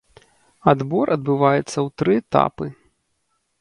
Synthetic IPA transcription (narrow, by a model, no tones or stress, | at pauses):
ad̪bɔɾʔɐd̪bɨvajɛt̪sːɐwt̪ɾɨɛt̪a̰pɨ